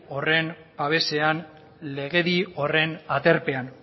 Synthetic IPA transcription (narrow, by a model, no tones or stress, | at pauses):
o̞re̞n | baβe̞se̞an | le̞ɣe̞ðio̞re̞nat̪e̞ɾpe̞an